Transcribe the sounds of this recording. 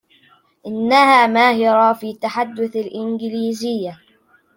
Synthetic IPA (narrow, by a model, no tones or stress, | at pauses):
ʔɪnːahaːmaːjɑɾˤɑːfiːt̪ːaħad̪ːʊθalʔɪnɡɪliːzɪjːa